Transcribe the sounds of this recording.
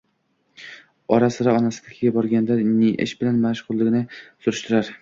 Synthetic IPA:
ɒɾasɪɾaɒnasɪd̪akʲʰɪɡʲabɒɾɡʲand̪aniʔɪ̰ʃbɪlanmaʃʁʊlˠːɪɡʲɪnɪsʊɾɪʃt̪ʰʊɾaɾ

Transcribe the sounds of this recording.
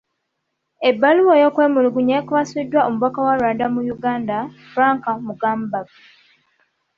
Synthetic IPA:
ebːaluwojokwe̞ːmuluɡuɲekuβasidːwaomuβakawalwadamujuɡaːndafɾaːŋkamuɡaːmbaɡa

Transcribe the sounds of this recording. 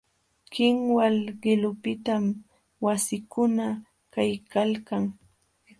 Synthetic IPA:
kɪŋwalɢɪlʊpɪt̪am | wasɪkʊna | kajkalkaŋ

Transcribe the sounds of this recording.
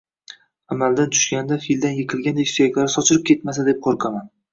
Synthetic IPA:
amald̪ant̪ʰʊ̥ʃɡʲand̪afild̪anjɪqʰɨlˠɡʲand̪ekʲsʊjakʲlaɾɪsɒt͡ʃʰɪɾɪp̚kʲʰe̞t̪masad̪ep̚qʰoɾqʰaman

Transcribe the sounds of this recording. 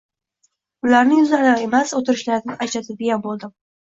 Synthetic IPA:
ʊlaɾnɪʊzalae̞masot̪ɪɾɪʃlaɾɪd̪ɪat͡ʃʰat̪ʰɪd̪ɪɡʲjanbolˠd̪ɪm

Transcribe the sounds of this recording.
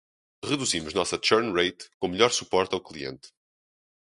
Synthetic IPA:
ʁɨðuzimuʒnɔsɐt͡ʃɛɾnʁejt̪kõmɨʎɔɾsupɔɾt̪awklˠiḛ̃nt̪

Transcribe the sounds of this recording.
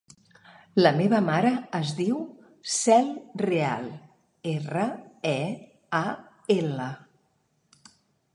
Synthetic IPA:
ləmeβəmaɾəːzðiw | sɛlˠrea̰lˠ | erəɛ | a | elə

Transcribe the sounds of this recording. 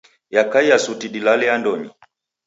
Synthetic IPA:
jakaijasutiɗilalɛandɔɲi

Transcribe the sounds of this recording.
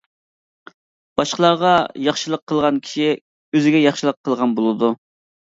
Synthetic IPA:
b̥ɑʃqəlˠɑɾʁɑjɑχʃɨlˠəqʰːəlˠʁɑnkʲʰi̥ʃi | øzɪɡʲɛjɑχʃɨlˠəqʰːəlˠʁɑnbolˠɨd̪u

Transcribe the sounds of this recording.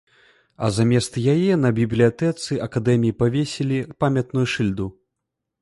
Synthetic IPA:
ɐ̰zamʲɛst̪jajɛnɐbʲiblʲijat̪ɛt̪sɨɐkad̪ɛmʲijipavʲesʲilʲipamʲɐt̪nujuʂɨlʲd̪u

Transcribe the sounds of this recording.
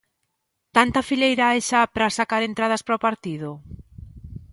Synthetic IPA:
t̪ant̪ɐfiʎejɾaejʃapɾasakaɾent̪ɾað̞ɐspɾopaɾt̪iðʊ

